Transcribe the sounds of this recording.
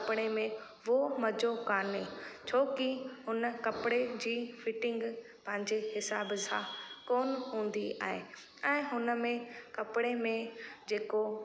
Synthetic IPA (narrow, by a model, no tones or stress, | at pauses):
pɪɽ̃emẽ | ʋomɐd͡ʑokaːnet͡ɕʰoːkihʊnəkɐpɪɽed͡ʑiːfʰɪʈɪ̃ŋɡpɐ̃ɦɪ̃ɲd͡ʑehɪsaːbsã̰koːnɦũːn̆d̪ia̰ːɦe | ɛ̃ːɦʊnəmẽkɐpɪɽemẽd͡ʑeːko